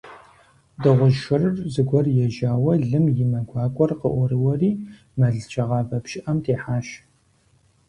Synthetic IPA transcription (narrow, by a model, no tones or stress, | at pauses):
dɐʁʷʊʒʃɨrɨrzɨɡʷɔrjɛʒaːwɐɮɨmjɪmɐɡʷɑːkʷʼɔrqə̰ʔʷɔɾɨwɐriː | mɐɮt͡ʃʰʼɐʁɑːvɐpʃɪʔɐmtʰeːħaːʃ